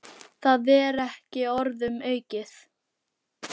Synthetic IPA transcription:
θaðɛɾɛhcɪɔɾðʏmœːɥcɪθ

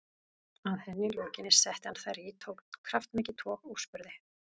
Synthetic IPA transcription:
aðθɛnːɪljowcɪnːɪsːɛht̪ɪanθajɾit̪ʰoːwkkʰɾaft̪mɛːcɪt̪ʰvɔːɣuspʏɾðɪ

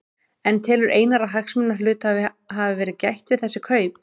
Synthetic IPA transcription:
ɛnt̪ʰɪːlʏɾʔeːjnaɾaɦaxsmʏnːḁlʏːt̪a | ɦavɪvɛːɾɪðcajht̪vɪðθɛsːɪkʰœːɥpn̥

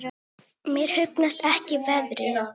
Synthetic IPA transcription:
mjɛɾ̥hʏpnast̪ɛhcɪvɛðɾɪ

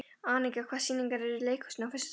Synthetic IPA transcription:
aːnɪkakʰvḁːsiːniŋkaɾɛɾileːjkʰu̥snawfʏs

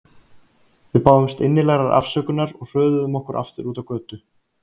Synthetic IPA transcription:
vɪðpaːwðʏmst̪ɪnːɪlɛɣɾaɾʔa̰fsœːkʏnaɾɔɣr̥œːðʏðʏmɔhkʏɾʔa̰ft̪ɪɾuːt̪avkœːt̪ʏ

